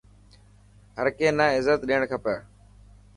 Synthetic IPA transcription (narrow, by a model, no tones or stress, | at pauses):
ɦəɾkeːnãːɪzət̪ɗiːɳkʰəpjaː